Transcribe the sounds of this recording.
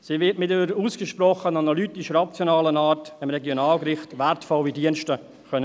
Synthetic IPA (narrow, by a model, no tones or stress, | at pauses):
siːvɪtmɪtiəɾuːsɡ̥əʃprɔχənanalytɪʃrat͡sjonaːlənaːɾtɪmɾɛɡjonaːlɡɾɪχtvɛɾtfɔlʋidiənʃtə | kœnə